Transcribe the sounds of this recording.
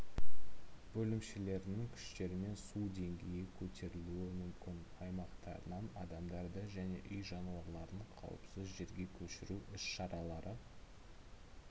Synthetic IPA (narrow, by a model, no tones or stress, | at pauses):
bɵlɪmʃele̞ɾɪnɪŋkʲʰʏ̥ʃt̪e̞ɾɪme̞nsud̪e̞ŋɡʲe̞jɪkʲʰɵt̪ʰe̞ɾɪluɪmʏmkʲɪnɑjmɑqt̪ɑ̰ɾənɑnɑd̪ɑmd̪ɑɾd̪əʒæne̞̰ʔʏjʒɑnuwɑlˠɑɾəɴqʰɑ̰wə̰psɪzʒe̞ɾɡʲe̞kʲʰɵʃɪɾuʔɪsʃɑɾɑlˠɑɾʔə